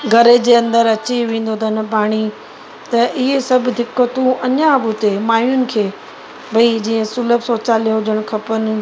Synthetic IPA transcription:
ɡʱɐɾed͡ʑeːɐ̃nd̪əɾɐt͡ɕiʋẽːn̆d̪ot̪ʰənɪpaːɽ̃i | t̪ɐʔɪɦesɐbʱd̪ʱɪkːot̪ũɐɲabʊt̪emaːjʊnɪ̆kʰeː | bʱɐid͡ʑiːə̃sʊləbsoːt͡ɕaːlijõɦʊd͡ʑəɽ̃kʰɐpənɪ̆

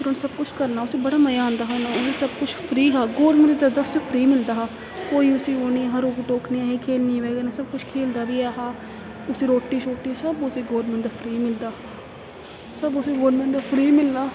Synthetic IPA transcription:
sɪɾoːnːsəb̚kʊt͡ʃʰkəɾnaːʊseːbəɽaːməjaãːnd̪aːɦonãːʊseːsəb̚kʊt͡ʃʰpʰɾiːɦaːɡoːɾmɪ̃nd̪əd̪aːʊsepʰɾiːmɪld̪aːɦaː | koːiːʊsiːoːniɦəɾoːkːʈoːkniːɛːɦeːkʰeːlnĩːʋɛːɡenasəb̚kʊt͡ʃʰkʰeːld̪aːbiːɛːɦaː | ʊseːɾoːʈːiːʃoːʈːiːɛsəbʊseːɡoːɾmɛ̃nd̪aːpʰɾiːmɪld̪aː | səbʊseːɡoːɾmɛ̃nd̪aːpʰɾiːmɪlnaː

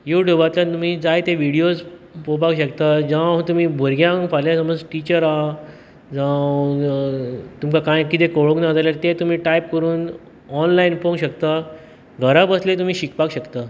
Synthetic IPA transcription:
juʈjuːbat̪lat̪um̤iːd͡zajt̪eʋiɽijospopakɕəkt̪ad͡ʑãt̪um̤iːbʱoɾɡjãŋfaljasəməd͡zʈit͡ɕəɾa | d͡zã | t̪umkakãjkit̪ekoɭũknad͡z̪aljaɾt̪et̪um̤iːʈaip̚kəɾuːn | ɔnlainpõŋɕəkt̪a | ɡʱəɾabəslẽt̪um̤iːɕikpakɕəkt̪a

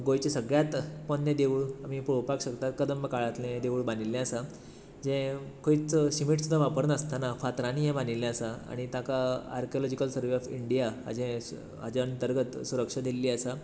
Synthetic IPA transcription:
ɡojt͡ɕesəɡɭjat̪pənːjəd̪eʋuɭamipɾopakɕəkt̪at̪kəd̪əmbəkaɭat̪lẽd̪eʋuɭbanilːɛ̃əsa | d͡ʑɛ̃koit͡sɕimiʈsud̪ʱːaʋapəɾnəst̪anafat̪ɾãnijãbanilːɛ̃əsaa̰ɽ̃it̪akaaɾkiɔlɔd͡ʑikəlsəɾʋeɔfiɳɖijaɦa̰d͡ʑɛ̃ | ɦa̰d͡ʑeənt̪əɾɡət̪suɾəkʂad̪ʱelːiːəsa

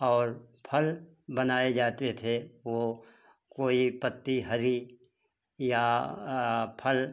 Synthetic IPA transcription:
ɔːɾpʰəl | bɐnaːed͡ʒaːt̪et̪ʰeʋo | koːipət̪ːiɦɐɾi | ja | pʰəl

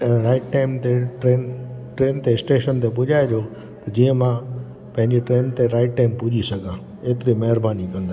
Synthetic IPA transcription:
ɾaːɪʈʈaːɪmt̪eʈɾeːnʈɾeːnt̪eɪsʈeːʃənt̪epʊʄaːed͡ʑoː | t̪ɐd͡ʑiːə̃mã | pɐ̃ɦɪ̃ɲd͡ʑeʈɾeːnt̪eɾaːɪʈ̚ʈaːɪmpʊʄisɐɡʱãː | eːt̪ɪɾimɐɦɪɾbaːnikɐ̃nd̪a

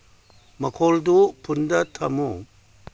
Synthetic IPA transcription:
mɐkʰoldupʰundɐtʰɐmu

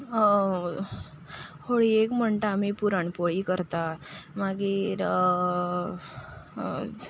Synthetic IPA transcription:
hoɭiekm̤əɳʈ̪aːmipuɾaɳpoɭiːkəɾt̪amaɡiːɾ

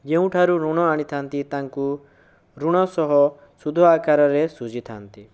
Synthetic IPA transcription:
d͡ʒeũʈʰaɾuɾuɽ̃ɔaɽ̃it̪ʰant̪it̪aŋku | ɾuɽ̃ɔsɔɦɔ | sud̪ʱɔakaɾɔɾesud͡ʒʱit̪ʰant̪i

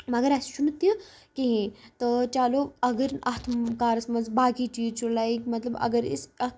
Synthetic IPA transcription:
mɐɡɐɾast͡ʃunut̪ːəkiɦĩt̪ət͡ʃaːloɐɡəɾnʔɐt̪ʰkaːɾɐsmɐnzbaːkit͡ʃiːzt͡ʃʰulaikmɐt̪lɐbɐ̰ɡəɾḭsɐ

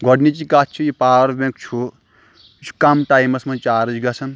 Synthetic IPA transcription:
ɡʱɔɽnit͡ʃikat̪ʰt͡ʃʰujipaːʋɐɾbẽkt͡ʃʰu | t͡ʃʰu̥kɐmʈaːjmɐsmɐnt͡ʃaːɾɨd͡ʒɡɐsʰɐn

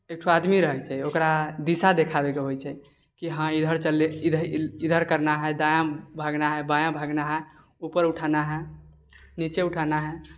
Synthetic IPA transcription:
ek̚ʈʰoad̪miɾəɦɛt͡ʃʰɛokɾad̪isad̪ekʰabekeɦojt͡ʃʰɛ | kiɦãid̪ʱəɾt͡ʃəlːeid̪ʱid̪ʱəɾkəɾnaɦɛd̪ajãbʱaɡnaɦɛbajãbʱaɡnaɦɛ | upəɾuʈʰanaɦɛ | nit͡ʃeuʈʰanaɦɛ

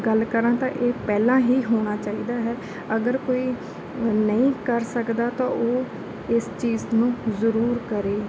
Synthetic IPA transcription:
ɡəlkəɾãːt̪ã̰ːʔeːpɛːlãːɦiːɦoːɽ̃aːt͡ʃaːiːd̪aːɦɛː | əɡəɾkoːiː | nəĩːkəɾsəkd̪aːt̪ãːʔoː | ɪst͡ʃiːznũːzəɾuːɾkəɾeː

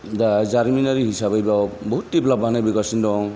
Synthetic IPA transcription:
dazaɾminaɾiɦisabʱajbabɔɦutːiplabaɦnabikasindɔŋ

